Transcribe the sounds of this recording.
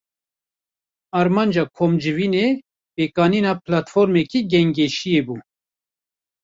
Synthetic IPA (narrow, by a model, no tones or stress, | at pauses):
ɑːɾmɑːnd͡ʒɑːkʰoːmd͡ʒɨviːne | peːkɑːniːnɑːplɑt̪foɾmɛkiɡɛŋɡeʃijeːbuː